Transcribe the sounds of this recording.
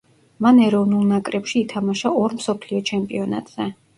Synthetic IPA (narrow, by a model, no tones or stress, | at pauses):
manɛɾɔvnulˠnakʼɾɛpʃiːt̪ʰamaʃaɔɾmsɔpʰliɔt͡ʃʰɛmpʼiɔna̰t̪ʼz̥ɛ